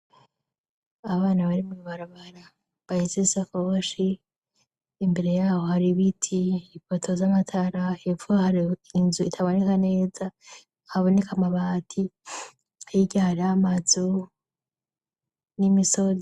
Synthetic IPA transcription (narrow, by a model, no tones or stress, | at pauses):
aβaːnaβaɾimuɾuβaɾaβaɾa | βahizisakooʃi | mbe̞ɾe̞jaːho̞haɾiβitʰiifotʰo̞zamatʰaɾahevuahaɾiinzuitʰaβonekane̞ːza | haβo̞ne̞kamaβaːtʰi | hajiɟahaɾiamazu | nimiso̞ze